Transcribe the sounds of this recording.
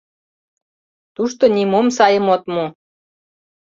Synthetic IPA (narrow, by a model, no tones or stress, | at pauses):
t̪uʃt̪onimomsɑjəmot̪mo